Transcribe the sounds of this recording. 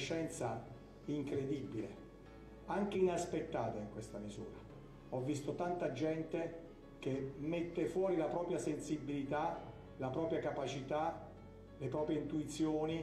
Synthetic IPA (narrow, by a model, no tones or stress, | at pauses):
ʃːɛnt̪sa | iŋkɾed̪ibːile | aŋk̟einaspet̪ːaːt̪aiŋkwest̪amizṵːɾa | ɔvːist̪ot̪ant̪ad͡ʒɛnt̪e | k̟emːet̪ːefwɔːɾilapɾɔːpɾjasensibːilit̪a | lapɾɔːpɾjakapat͡ʃit̪a | lepɾɔːpɾjeint̪uit̪sjoːni